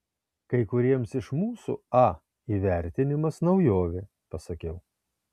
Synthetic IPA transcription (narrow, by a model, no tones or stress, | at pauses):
kɐɪkʊɾʲiɛmsɪʃmuːsṵɑ | iːʋʲæˑɾʲt̪ʲɪnʲɪmɐsnɐʊjoːʋʲɪ | pɐsɐkʲɛʊ